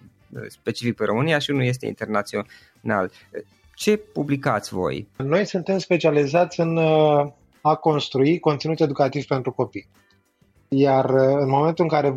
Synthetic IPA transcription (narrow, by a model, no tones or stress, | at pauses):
spe̞t͡ʃifik̚peɾʔo̞mɨnijaʃiunulje̞s̬t̪e̞̰ḭnt̪e̞rnat̪sio | na̰l | t͡ʃe̞publikat̪sʲvo̞̰jno̞jsunt̪e̞mspe̞t͡ʃializat̪sʲɨn | ako̞nst̪ɾuiko̞nt̪sinut̪e̞d̪ukat̪iv̥pe̞nt̪ɾuko̞pij | jarɨnmo̞me̞nt̪ulɨŋkaɾe̞